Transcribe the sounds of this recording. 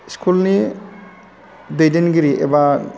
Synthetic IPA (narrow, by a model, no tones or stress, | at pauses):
skʰulni | dejdenɡiɾiʔḛba